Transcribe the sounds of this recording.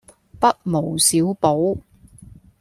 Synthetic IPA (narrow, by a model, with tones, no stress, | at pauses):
pɐ˥t̚mo˨˩wsiː˨˥wpo˨˥w